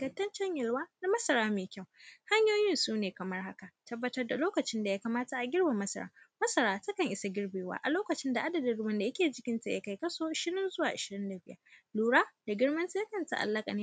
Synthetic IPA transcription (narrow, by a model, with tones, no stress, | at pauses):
ɡɐ˨tːɐ˦nt͡ʃɐ˦ɲjɪ˨lwaː˦na˨mɐ˦sɐ˨ɾaː˦meː˨kʲa˦˨wha˦ɲjoː˦jɪ˦nsuː˦neː˨kɐ˨mɐ˦rha˦ka˨tɐ˦bːɐ˦tɐ˦rda˨loː˦kɐ˨t͡ʃɪ˦nda˨jaː˦ka˨maː˦ta˨ʔa˨ɡʲɪ˦rba˨mɐ˦sɐ̰˨ɾa̰ː˦mɐ˦sɐ˨ɾaː˦tɐ˦kɐ˨ŋʔɪ˦sa˨ɡʲɪ˦ɽbeː˨wa̰ː˦ʔa˨loː˦kɐ˨t͡ʃɪ˦nda˨ʔa˦dɐ˨dɪ˨ɽʊ˦bɐ˦nda˨jɐ˦kʲeː˨d͡ʒɪ˦kʲɪ˦nta˨ja̰˨ka˨jkɐ˦soː˦ʃɪ˦nɪ˦nzʊ˦waː˨ʔɪ˨ʃɪ˨ɾɪ˦nda˨bɪ˦jɐ̰˦luː˨ɽaː˦d̥a˨ɡʲɪ˦ɽmɐ˦nti˦ja˦kɐ˨nta̰˨ʔa̰˨lːɐ˦kʼa̰˨neː˦